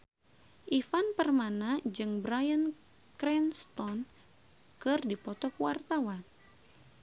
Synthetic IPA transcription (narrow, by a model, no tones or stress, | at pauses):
ʔifanpərmanad͡ʒɨŋbɾajən | kɾɛnst̪ɔn | kɨrdipɔt̪ɔkwart̪awan